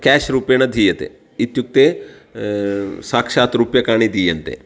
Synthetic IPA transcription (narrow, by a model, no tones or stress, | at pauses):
kɛːʃɾuːpenɐd̪ʱiːjet̪ḛ | it̪juk̚t̪e | saːkʃaːt̪ɾupjɐkaːɽ̃id̪iːjent̪ḛ